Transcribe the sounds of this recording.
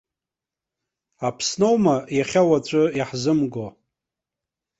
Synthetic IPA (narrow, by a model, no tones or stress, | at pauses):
apʰsno̞wmajaχʲawat͡ɕʷʼʊjiħzɨmɡo